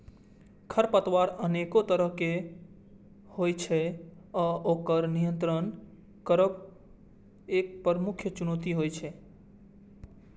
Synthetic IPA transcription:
kʰəɾpət̪waɾənekot̪əɾəɦke | hojt͡ʃʰɛ | ɔʔokəɾnijənt̪ɾən | kəɾəb | ek̚pəɾmukʰjət͡ʃunot̪iɦojt͡ʃʰɛ

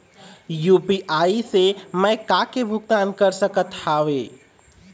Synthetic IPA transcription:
juːpiʔaːisemɛ̃kaːkebʱʊɡt̪aːnkəɾsəkət̪haːʋeː

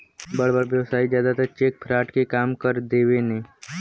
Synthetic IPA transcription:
bəɽbəɽʋjəʋsaːid͡ʒjaːd̪at̪ət͡ʃeːk̚pʰɾaːʈkekaːmkəɾd̪eːʋenẽː

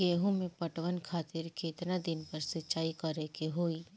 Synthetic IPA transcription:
ɡeːɦũmẽpɐʈʋənkʰaːt̪ɪɾkʰeɪt̪nad̪ɪnpɐɾsɪt͡ʃaːikɐɾekeɦoːiː

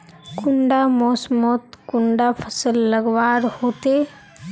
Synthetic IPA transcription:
kʊɳɖamɔːsmɔːt̪kʊɳɖapʰəsəlːəɡʋaːɾhoːt̪eː

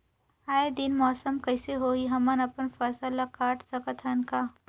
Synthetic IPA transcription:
aːed̪inmɔːsəmkɐɪseɦoːiɦɐmɐnɐpənfɐsəlakaːʈsɐkɐt̪ʰɐnkaː

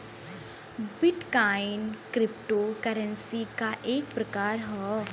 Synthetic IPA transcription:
bɪʈkaːɪnkɾɪpʈoːkəɾə̃nsikaʔeːk̚pɾɐkaːɾɦɛː

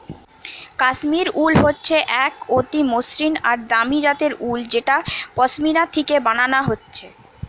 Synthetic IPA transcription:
kaʃmiɾulɦotːɕʰeʔɛkot̪imosɾinaɾd̪amid͡ʑat̪eɾuld͡ʑeʈapɔsmiɾat̪ʰikebananaɦotːɕʰe

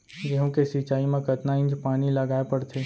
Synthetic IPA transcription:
jeɦõkesit͡ʃaːimẽkɐt̪naɪ̃nd͡ʒpaːñilɐɡaːepɐɽt̪ʰeː

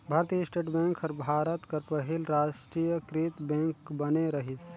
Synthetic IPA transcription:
bʱaːɾt̪ijəsʈeːʈbɛ̃ŋkʰəɾbʱaːɾət̪kɐɾpəɦilɾaːʃʈɾijəkɾit̪bɛ̃ŋkbəneɾɐɦis

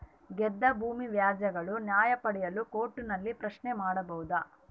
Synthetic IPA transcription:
ɡɛd̪ːɐbʱuːmiʋjaːd͡ʒɐɡɐɭunjaːjɐpɐɽɛjɐlukoːʈːunɐlːipɾɐʃnemaːɽɐbɐɦud̪ɐ

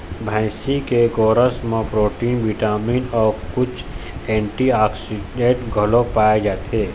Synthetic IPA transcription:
bʱɛ̃ːsikeɡoːɾəsmẽpɾoːʈiːnʋiʈaːmiːnɔːɾkʊt͡ʃʰɛ̃ːɳʈiaːksiɖẽːʈɡʱəlõpaːed͡ʒaːt̪ʰeː

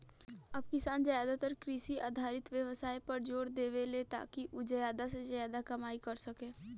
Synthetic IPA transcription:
ɐb̚kɪsaːnd͡ʒajaːd̪at̪əɾkɾiːʃiʔa̰ːd̪ʱaːɾɪt̪ʋjəʋsaːipɐɾd͡ʒoːɾd̪eːʋelet̪a̰ːkiʔʊd͡ʒəjaːd̪ased͡ʒəjaːd̪akɐmaːikɐɾsɐkẽː

